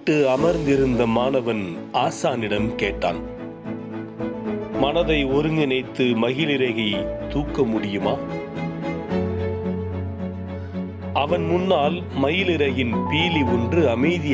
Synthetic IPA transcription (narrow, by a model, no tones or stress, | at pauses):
ʈːɯɐmɐɾnd̪ɪɾɯnd̪ɐmaːnɐʋɐn | aːsaːnɪɽɐmkeːʈːa̰ːn | mɐnɐðɐɪɔɾɯŋɡɪnɐɪt̪ːɯmɐɣɪlɪɾɐɪɣɐɪt̪uːkːɐmʊɽɪjɯmaː | ɐʋɐnmʊnːaːl | mɐɣɪlɪɾɐjɪnpiːliɔndrɯɐmɐɪðɪ